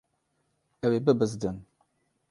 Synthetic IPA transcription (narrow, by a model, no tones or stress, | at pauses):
ɛwebɨbɨzdɨn